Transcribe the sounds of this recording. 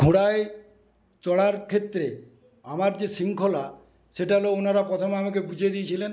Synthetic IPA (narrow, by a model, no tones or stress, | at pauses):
ɡʱuɽae | t͡ɕɔɽaɾkʰet̪ːɾe | amaɾd͡ʑesiŋkʰola | ʃeʈaloonaɾapɾot̪ʰomeamakebud͡ʑʱed̪iet͡ɕʰilen